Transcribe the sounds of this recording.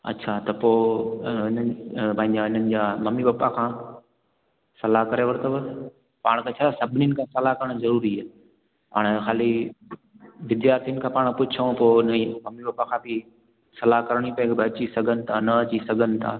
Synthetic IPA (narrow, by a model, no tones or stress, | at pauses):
ɐ̰tːɕʰat̪ɐpoːɪnənpɐ̃ɦɪ̃ɲd͡ʑaɪn̤ənɪ̆d͡ʑaːmɐmibɐpakʰãː | sɐlaɦkɐɾeʋɐɾt̪əbə | paːɽ̃kʰẽt͡ɕʰaːt̪ʰasɐbʱɪninɪ̆kʰãːsɐlakɐɾəɽ̃zɐɾuːɾiɛː | a̰ːɽ̃exaːli | ʋɪd̪jaːɾt̪ʰiənɪ̆kʰãpaːɽ̃pʊt͡ɕʰə̃poːnmɐmibapakʰãːbi | sɐlaɦkɐɾɽ̃ipɐ̃kʰebɐt͡ɕisɐɡʱənɪ̆t̪ʰanɐɐt͡ɕisɐɡʱənɪ̆t̪ʰa̰ː